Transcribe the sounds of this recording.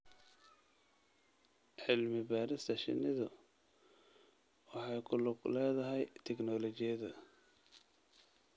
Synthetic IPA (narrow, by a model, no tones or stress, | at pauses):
ʕɪlmɪbaːɾɪst̪ʰɐʃɪ̰nɪðʊ | wɑħɑjkʰʊlʊɡlɛːðɐɦɛjt̪ʰɛɡnɔːlɔt͡ʃɪjɐðɐ